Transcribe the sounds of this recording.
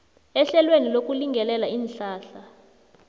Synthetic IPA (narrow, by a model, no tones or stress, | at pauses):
ɛɬɛlwenilok̬ʼuliŋɡʱɛlɛlaiːnɬaːɬa